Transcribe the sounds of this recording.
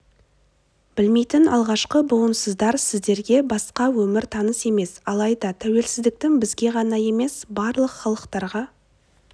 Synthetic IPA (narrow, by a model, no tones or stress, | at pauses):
b̥ɪlme̞jt̪ɪnʔɑ̰lˠʁɑʃqəbʊənsəzd̪ɑɾsɪzd̪e̞ɾɡʲe̞bɑsqɑwɵmɪɾt̪ʰɑnəse̞me̞sɑlˠɑjd̪ɑt̪ʰæwe̞lsɪzd̪ɪk̚t̪ɪŋbɪzɡʲe̞ʁɑnɑje̞me̞sbɑɾlˠəqχɑlˠəqt̪ɑɾʁɑ